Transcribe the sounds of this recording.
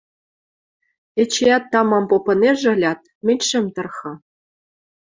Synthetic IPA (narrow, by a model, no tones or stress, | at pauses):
ĕt͡ɕejɑt̪ːɑmɑmpopɤ̆neʒɘ̆lʲɑt̪̚ | mʲɘ̆nʲʃɘ̆mt̪ɤ̆rxɤ̆